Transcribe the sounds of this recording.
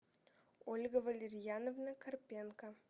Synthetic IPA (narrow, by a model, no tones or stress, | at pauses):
olʲɡəvɐlʲerʲjɑnovnakɐrpʲenka